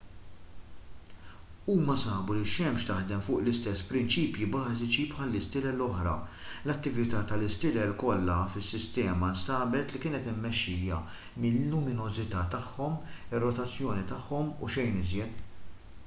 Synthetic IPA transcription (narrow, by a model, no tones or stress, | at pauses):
uːmɐsɐːbuliʃɛmʃt̪ɐħd̪ɛmfʊːʔlɪst̪ɛsːpɾɪnt͡ʃiːpjibɐːzɪt͡ʃipħɐlːɪst̪ɪlɛlːɔħɾɐ̰ | lɐt̪ːɪvɪt̪ɐːt̪ɐlɪst̪ɪlɛlkɔlːɐfɪsːɪst̪ɛːmɐnst̪ɐːbɛt̪likɪːnɛt̪ɪmːɛʃːɪːjɐ̰ | mɪlːʊmɪnɔzɪt̪ɐːt̪ɐħːɔmɪrːɔt̪ɐt͡sːjɔːnit̪ɐħːɔmuʃɛjnɪzjɛt̪